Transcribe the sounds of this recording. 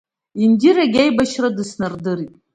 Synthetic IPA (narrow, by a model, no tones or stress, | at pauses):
indiɾaɡʲejbaʃradɨsnɨrdɨritʼ